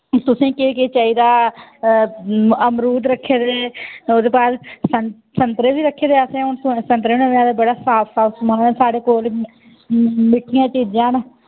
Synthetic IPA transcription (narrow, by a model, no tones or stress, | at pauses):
t̪ʊsĩːkeket͡ʃaːiːd̪aː | əmɾuːd̪ɾəkʰːeːd̪eːoːd̪eːpaːɾsə | sənt̪ɾeːbiːɾəkʰːeːd̪eːəsẽːʊɳt̪ːsənt̪ɾeoneːʋãːd̪aːbəɽaːsaːpsaːsmənaːẽːsaːɽeːkoːl | mɪʈʰːɪjãːt͡ʃiːd͡ʒãːn